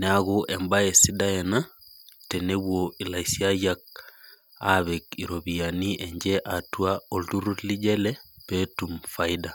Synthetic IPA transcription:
neaɣuʔɛmbaesidaɛnatɛneβwoilaisiajak̚ | aβɛkiɾoβijaniʔɛɲd͡ʒɛʔatwaoltuɾutlid͡ʒɛlɛpetumfaida

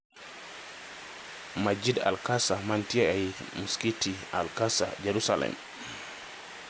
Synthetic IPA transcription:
mad͡ʒida̰lkasamantiaajimuskitia̰lkasa̰d͡ʒɛɾusalɛ̰m

